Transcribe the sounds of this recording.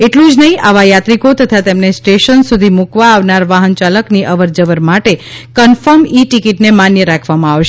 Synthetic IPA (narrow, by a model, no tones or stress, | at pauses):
eʈlũd͡ʒnəɦĩaʋajat̪ɾikot̪ət̪ʰat̪emnesʈeʃənsud̪ʱimukʋaːʋnaɾʋaɦənt͡ʃaləkniʔəʋəɾd͡ʒəʋəɾmaʈekənfəɾmiʈikiʈnemanjəɾakʰʋamãaʋʃ